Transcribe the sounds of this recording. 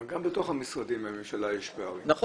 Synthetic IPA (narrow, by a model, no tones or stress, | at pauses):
ɡambet̪o̞χhamisʁad̪imamemʃalaeʃbeaʁinaχ